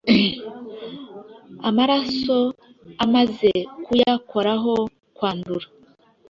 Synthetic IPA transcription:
amaɾaso̞ | amaze̞kujakʰo̞ɾaɦo̞ | kwaːnduɾa

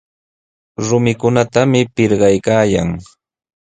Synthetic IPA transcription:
ɾʊmɪkʊnat̪amɪpɪɾɢɑjkaːjaŋ

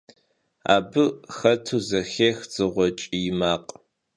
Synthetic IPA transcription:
a̰ːbɨxɐtʰuzɐxeːxt͡sʼɨʁʷɔt͡ʃʼijɪmaːqʼ

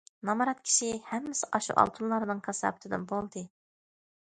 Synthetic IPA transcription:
nɑmɑɾɑt̪kʲʰi̥ʃihɛmːɪsɪʔɑʃṵʔɑ̰lˠt̪ʰunlˠɑɾɨnɨŋkʰɑsɑ̰ːbʰɪt̪ʰɨd̪ɨ̰nbolˠd̪ɨ

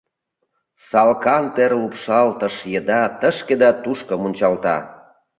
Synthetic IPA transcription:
sɑlkɑnt̪eɾlupʃɑlt̪ə̆ʃjəd̪ɑt̪əʃked̪ɑt̪uʃkə̆munʲt͡ɕɑlt̪ɑ̰

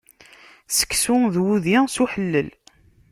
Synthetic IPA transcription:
sə̥kːsʊðwuðisuħəlːəl

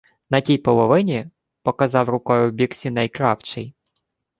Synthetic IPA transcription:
nɐtʲijpɔlˠɔʋɪnʲi | pɔkɐzɑwɾʊkɔjʊbʲiksʲinɐjkɾɑwt͡ʃɪj

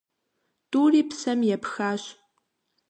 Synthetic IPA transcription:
tuːriːpsɐmjɛpxaːɕ

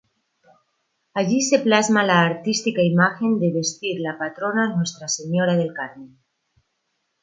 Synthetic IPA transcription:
aʝise̞plazmalaːɾt̪ist̪ikaimaxe̞nd̪eβe̞st̪iɾlapat̪ɾo̞nanwe̞st̪ɾase̞ɲo̞ɾaðe̞lkaɾne

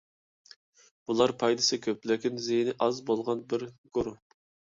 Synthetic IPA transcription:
b̥ulˠɑɾpʰɑjd̪ɨsɨkʲʰøplɪkʲinzejnɪʔɑzbolˠʁɑnbɪɾɡ̥oɾʊ

